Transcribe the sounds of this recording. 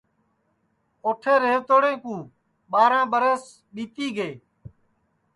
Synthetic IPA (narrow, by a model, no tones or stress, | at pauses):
oːʈʰeːɾeːʋt̪oːɽẽːkũː | ɓaːɾãːɓəɾəs | ɓiːt̪iːɡeː